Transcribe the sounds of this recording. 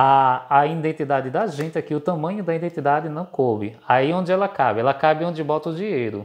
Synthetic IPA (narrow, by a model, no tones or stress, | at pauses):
aːĩd̪ẽnt̪id̪ad͡ʒɪd̪ɐʒẽnt͡ʃɪɛkɪʊt̪ɐ̃mɐ̃ɲʊd̪ɐĩd̪ẽt̪id̪ad͡ʒɪnɐ̃w̃kobɪ̰aiõd͡ʒɪɛlɐkabɪɛlɐkabɪõnd͡ʒɪbɔt̪ɐʊd͡ʒiɲejɾʊ